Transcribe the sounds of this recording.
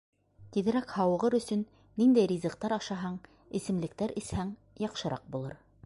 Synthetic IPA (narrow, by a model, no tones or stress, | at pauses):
t̪iðɘ̆ɾækhɑwɤ̆ʁɤɾɵ̆sɵnː | ind̪æjɾʲizɤ̆qt̪ɑɾɑʃɑɦɑɴ | ɘ̆sɘ̆mlɘ̆k̚t̪æɾʔɘ̆shæŋ | jɑqʃɤ̆ɾɑ̰q̚bulˠɤ̰ɾ